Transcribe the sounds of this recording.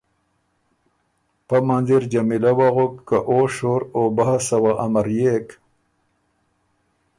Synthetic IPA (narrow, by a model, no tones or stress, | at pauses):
pamanziɾd͡ʒamilawaɣʊkːaʔoʂoɾobahasawaʔamaɾjek